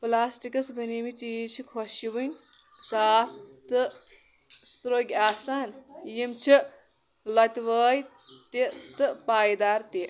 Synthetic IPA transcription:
plaːsʈikɐsbʱɐnimit͡ʃiːt͡ʃʰikʰɐʃjiʋɨnʲsaːp̚ʰt̪ɨ | sɾoːɡʲaːsaːnjimt͡ʃʰi | lɐt̪ʲʋəːjt̪it̪ɨpaːjd̪aːɾt̪i

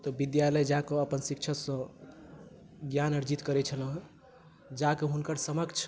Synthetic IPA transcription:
t̪ɔbid̪jaləjd͡ʒakəəpənsik̚t͡ʃʰəsə̃ | ɡjanəɾd͡ʒit̪kəɾɛt͡ʃʰələ̃ɦ | d͡ʒakeɦunkəɾsəməkt͡ʃʰ

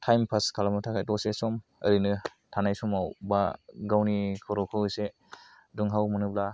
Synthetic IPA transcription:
tʰajmpʰaskʰalamatʰakʰajtɔsesɔmɯɾinɯ | tʰanajsɔmawbaɡawnikʰɔɾɔkʰɯwɯjse | duŋɦawmɯnɯbla

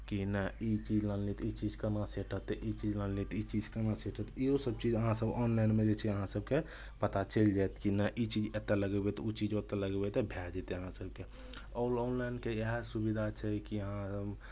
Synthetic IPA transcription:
kinəit͡ʃid͡ʒlənlit̪it͡ʃid͡ʒkənaseʈʰət̪ʔit͡ʃid͡ʒlənlit̪it͡ʃid͡ʒkənaseʈʰət̪iosəb̚t͡ʃid͡ʒəɦãsəbɔnlaɪnmẽd͡ʒet͡ʃʰɛəɦãsəb̚ke | pət̪at͡ʃəld͡ʒajt̪kinəʔit͡ʃid͡ʒet̪ːaləɡɛbɛt̪ut͡ʃid͡ʒot̪ːaləɡbɛt̪ɛbʱɛd͡ʒɛt̪eəɦãsəbke | ɔlɔnlajnkeeɦɛsubid̪ʱat͡ʃʰɛkiəɦãsəb

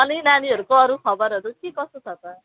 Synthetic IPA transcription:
ʌlinaniɦʌɾukoʌɾukʰʌbʌɾɦʌɾukikʌst̪ut͡sʰʌt̪ʌ

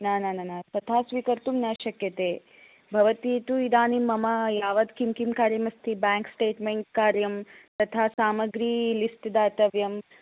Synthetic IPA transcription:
naːnaːnanat̪ɐt̪ʰaːsʋiːkɐɾt̪umnaːʃɐkjɐt̪eː | bʱɐʋɐt̪iːt̪uid̪aːnimːɐmɐjaːʋɐd̪kimkimkaːɾjɐmɐst̪ʰibaːŋksʈeːʈmeŋkkaːɾjɐmt̪ɐt̪ʰaːsaːmɐɡɾiːlisʈd̪aːt̪ɐʋjɐm

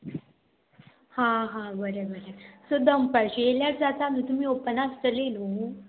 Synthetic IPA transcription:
hãɦãbəɾəbəɾəsod̪əmpəɾɕeeljaɾd͡zat̪amiːt̪um̤iːopənast̪əlelo

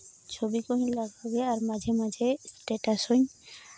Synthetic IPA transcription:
t͡ʃʰobikɔɦiɲlaɡaɡɛaɹmad͡ʒʱɛmad͡ʒʱɛsʈeʈasɔɲ

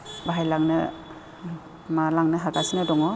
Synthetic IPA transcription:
baɦajlaŋnɯ | malaŋnɯɦaɡasinadɔŋɔ

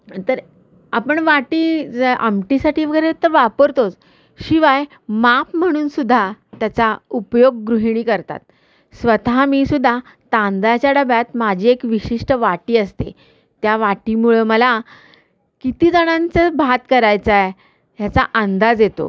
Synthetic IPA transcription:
t̪əɾ | apəɳʋaʈiːa̰mʈisaʈʰiːʋəɡəjɾet̪ːəɾʋapəɾt̪ot͡s | ɕiʋaj | mapm̤əɽ̃uːnsud̪ʱːat̪jat͡saupjoɡ̚ːɾuɦiɽ̃iːkəɾt̪a̰t̪̚ | sʋət̪amiːsud̪ʱːa | t̪ãnd̪at͡ɕjaɽəbjat̪mad͡ʑʱiːekʋiɕiʂʈəʋaʈiːəst̪ḛ | t̪jaʋaʈimuɭəməla | kit̪iːd͡zəɽ̃ãnt͡səbʱat̪kəɾajt͡saj | ɦjat͡sa̰ʔand̪ad͡zjet̪o̰

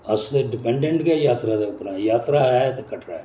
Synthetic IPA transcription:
əsd̪eɖɪpɛ̃ɳɖẽɳʈɡejaːt̪ɾad̪eʊpɾãjaːt̪ɾaːɛt̪ekəʈɾa̰ɛ

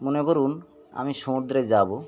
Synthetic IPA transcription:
monekoɾun | a̰miʃɔmud̪ɾed͡ʑabo

